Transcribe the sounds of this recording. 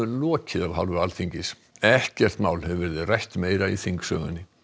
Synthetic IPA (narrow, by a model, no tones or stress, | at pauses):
ʏlɔːcɪðavɦalvʏɾalθiɲcɪs | ɛhcɛr̥t̪maːwlhɛvvɛɾðɪrajht̪meːjɾaḭθiŋksœ̰ːɣʏ̰nːɪ